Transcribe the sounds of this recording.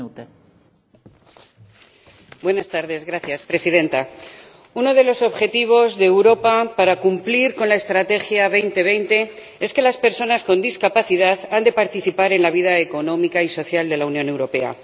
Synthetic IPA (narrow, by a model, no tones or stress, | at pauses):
bwe̞nast̪aɾðe̞zɣɾaθjaspɾe̞siðe̞nt̪a | uno̞ð̞e̞lo̞so̞βxe̞t̪iβ̞o̞zðe̞ːwɾo̞papaɾakumpliɾko̞nlae̞st̪ɾat̪e̞xjaβ̞e̞jnt̪e̞β̞e̞jnt̪e̞ | e̞ske̞laspe̞ɾso̞nasko̞nd̪iskapaθiðaðand̪e̞paɾt̪iθipaɾe̞nlaβiðaeko̞nõ̞mikaiso̞θjald̪e̞launjo̞ne̞wɾo̞pe̞a̰